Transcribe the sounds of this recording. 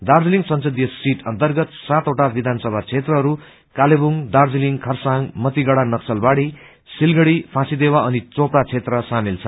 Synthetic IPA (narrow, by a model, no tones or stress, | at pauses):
d̪ard͡ziliŋsʌnsʌd̪jʌsiʈʰʌnt̪ʌrɡʌt̪sat̪oʈabid̪ʱansʌbʱat͡sʰet̪rʌɦʌɾu | kalebuŋd̪ard͡ziliŋkʰʌrsaŋmʌt̪iɡʌɽanʌksʌlbaɽi | silɡʌɽipʰãsid̪ewaʌnit͡soprat͡sʰet̪rʌsamilt͡sʰʌ